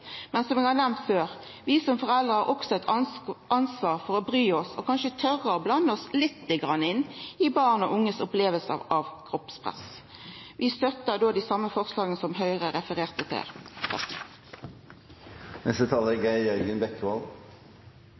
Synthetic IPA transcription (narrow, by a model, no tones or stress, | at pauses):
mɛnsɔmɛːɡhɑːʁnɛmnt̪føːʁ | ʋɪːsɔmfɔʁɛld̪ʁəhɑʁʔɔksɔɛt̪ʔɑnsʋɑːʁfɔɾɔbʁyːɔsɔkʰɑnʃət̪ʰœʁəɔblɑnːəɔslɪt̪ːəɡʁɑnːəɪnːɪbɑːʁnɔ̰ʔʊŋːəsʊpleːʋəlsə̰ʁɑʋkʰʁɔpspʰʁɛ̰s | ʋɪst̪œt̪əd̪oːd̪isɑmːəfɔʁslɑːɡənəsɔmɦœʏʁəɾɛfəʁeːʁt̪ət̪ʰɪ̰lt̪ʰɑ̰k | nɛst̪ət̪ʰɑːləɡæɪœɾɡənbɛkːʋɑl